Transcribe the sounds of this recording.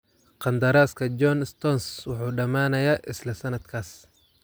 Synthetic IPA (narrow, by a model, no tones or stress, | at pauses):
qɑnd̪ɐɾaːskʰɐd͡ʒɔnst̪ʰɔnswɑħuːɖɐmaːnɐjaːʔɪslɐsɐnɐd̪kʰaːs